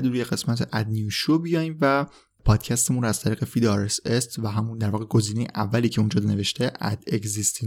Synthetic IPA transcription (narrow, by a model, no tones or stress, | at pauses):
d̪ɾuje̞ɣe̞smæt̪ʰeʔæd̪nijuʃobijɒjimvæ | pʰɒːd̪̥cʰæst̪emunɾoæz̥t̪ʰæɾiːɣe̞fid̪ɒɾesest̪væɦæmund̪æɾvɒːɣe̞ɡo̞ziːne̞jḛʔævːæliːcʰe̞und͡ʒɒːd̪ne̞ve̞ʃt̪ʰeʔæ̰d̪ekzist̪ʰi